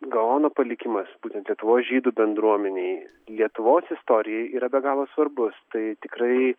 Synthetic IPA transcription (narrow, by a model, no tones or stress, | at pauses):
ɡɐoːnoːpɐlʲɪkʲɪmɐsb̥uːt̪ʲɛnt̪lʲiɛt̪ʊʋoːsʒʲiːd̪uːbʲɛnd̪ɾuɔmʲɛnʲeɪ | lʲiɛt̪ʊʋoːsɪst̪oːɾʲɪjɛiːɾɐbʲɛɡɑːlˠoːsʋɐrbʊst̪ɐɪt̪ʲɪkɾɐɪ